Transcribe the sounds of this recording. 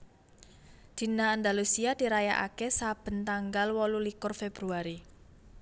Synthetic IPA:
d̪̥i̤naːnd̪alusiad̪̥i̤ɾaja̰ʔa̰kɛsab̥ə̤nt̪aŋɡalwɔlulikʊrfeb̥ɾuaɾi

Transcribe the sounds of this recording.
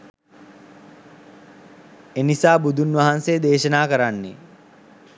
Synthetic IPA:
enisaːbud̪ʱunʋɐɦanseːd̪eːʃənaːkəɾanːḛ

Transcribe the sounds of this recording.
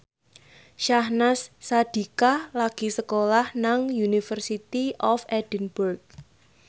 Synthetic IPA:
ʃahnasːad̪̥i̤kalaɡ̥i̤səkolahnaŋjunifərsit̪iʔɔfɛd̥inburk̚

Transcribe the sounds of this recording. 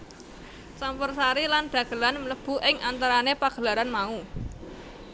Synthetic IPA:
t͡ʃampərsaɾilanɖ̪̥ä̤ɡ̥ə̤lanmləb̥ṳʔɪŋant̪aɾanepaɡ̥ə̤laɾanmau

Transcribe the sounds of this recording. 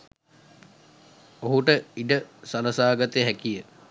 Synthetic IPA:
oɦuʈəiɖəsaləsaːɡat̪əjɦækijə

